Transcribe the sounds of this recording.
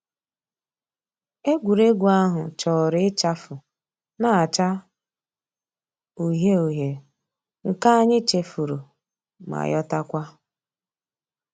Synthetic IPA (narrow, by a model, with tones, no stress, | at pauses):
e˦ɡʷu˨ɾe˦ɡʷu˨a˦ɦʊ˨t͡ʃɔ˨ɾɪ˦ɪ˦t͡ʃa˦fʊ˨ | na˦a˨t͡ʃa˦ | u˨ɦe˦u˨ɦje˨ | ŋ̩˨ka˦a˦ɲɪ˦t͡ʃe˨fu˨ɾu˨ | ma̰˨jɔ˦ta˦kʷa˦